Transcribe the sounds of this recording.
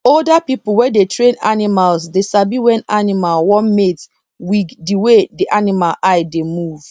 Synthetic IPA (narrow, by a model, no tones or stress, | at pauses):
oldapipʊwɛdetɹẽna̰nimalsdesabiwɛ̃nanimalwɔmet | wikdiwediʔanimalaɪdemuv̥